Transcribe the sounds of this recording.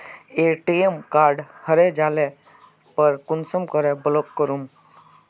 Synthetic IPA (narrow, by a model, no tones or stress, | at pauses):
eʈiemkaːɾɖhəɾed͡ʒaːle | pəɾkʊnsəmkəɾebəlokːəɾum